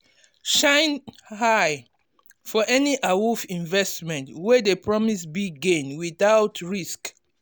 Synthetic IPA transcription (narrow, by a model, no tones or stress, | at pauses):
ʃãɪ̃nhaɪ | fɔʔɛniʔawufĩɱvɛstmɛ̃ntwɛðepɹɔmisbiɡẽnwiθaʊtʰɹisk